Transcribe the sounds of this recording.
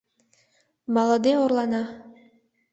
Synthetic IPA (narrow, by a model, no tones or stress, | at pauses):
mɑlˠɤd̪ɯoɾlˠɑnɑ